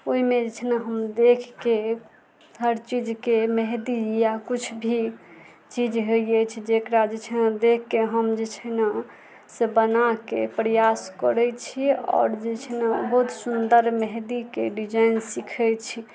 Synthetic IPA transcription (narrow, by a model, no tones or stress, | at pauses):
oɦimed͡ʒet͡ʃʰnaɦəmd̪ekʰke | ɦəɾt͡ʃid͡ʒkeməɦd̪ijakut͡ʃʰbʱi | t͡ʃid͡ʒɦeet͡ʃʰid͡ʒekɾad͡ʒet͡ʃʰnad̪ekʰːeɦəmd͡ʒet͡ʃʰəna | sebənakḛpɾejaskə̰ɾɛt͡ʃʰiɔ̰ːɾd͡ʒet͡ʃʰnabəɦut̪sund̪əɾməɦd̪ikḛɖid͡ʒainsikʰɛt͡ʃʰi